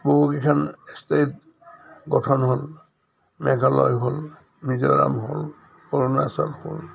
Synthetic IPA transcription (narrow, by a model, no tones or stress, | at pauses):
boɦukikʰanstet | ɡɔtʰɔnɦol | mɛkalɔjɦol | mizɔɹa̰mɦol | kɔɹɔnasalhol